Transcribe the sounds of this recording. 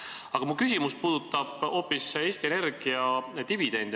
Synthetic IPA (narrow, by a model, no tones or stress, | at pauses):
ɑɡ̥ɑmukys̬ʲimuspuːd̪̥ut̪ˑːɑb̥o̞ːpːˑiseːsʲt̪iene̞rɡ̥iɑt̪ivid̪̥e̞nʲd̪